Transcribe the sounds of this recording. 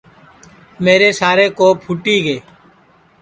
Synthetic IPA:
meːɾeːsaːɾeːkoːpʰuʈiːɡeː

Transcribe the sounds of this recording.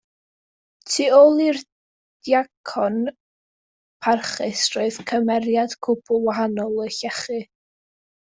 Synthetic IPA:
tʰiːolˠir | d̥jakʰɔn | pʰarχɨsroɨðkʰəmɛɾjad̥kʰʊpʰʊwaɦanɔlˠəɬɛχɨ

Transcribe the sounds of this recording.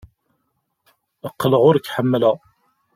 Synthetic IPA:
əqːləʁʊɾkːħəmːlæ

